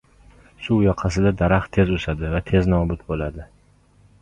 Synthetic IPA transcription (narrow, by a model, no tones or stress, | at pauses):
suwjɒqʰɑsɪd̪ad̪aɾaχt̪ʰe̞zoʃad̪ɪvat̪ʰe̞znɒbʊt̪̚bolad̪ɪ